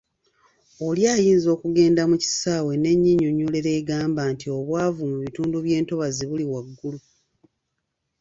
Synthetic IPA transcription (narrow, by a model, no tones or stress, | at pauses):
oljaːjiːnzo̞ːkuɡe̞ːndamuci̥saːwe̞ne̞ɲːiɲoɲːuːleɾe̞ːɡaːmbaːntio̞βwaːvumuβituːnduβje̞ːnto̞βaziβuliwaɡːulu